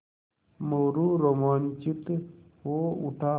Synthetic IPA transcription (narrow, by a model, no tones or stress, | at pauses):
məwɾuɾomaːnt͡ʃit̪ɦoːṵʈʰaː